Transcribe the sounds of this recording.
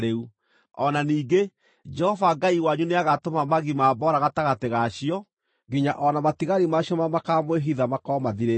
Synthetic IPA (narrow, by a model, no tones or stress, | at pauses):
ɾeu | ɔnaniːɡe | d͡ʒɛhɔvaɡaiwaɲuneaɣatomamaɣimaːbɔɾaɣataɣateɣaɕiɔ | ɡiɲaʔɔnamatiɣaɾimaɕjɔmamakamoeɦiðamakɔːmaðiɾe